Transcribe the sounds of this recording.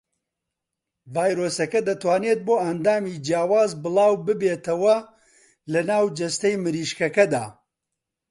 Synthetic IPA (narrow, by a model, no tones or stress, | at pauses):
vaːjɾoːsɐkɐd̪ɐt̪waːneːt̪̚boːɐnd̪aːmiːd͡ʒijaːwaːzbɨlˠaːwbɨbeːt̪ɐwɐ | lɐnaːwd͡ʒɐst̪ɐjmɨɾiːʃkɐkɐd̪a̰ː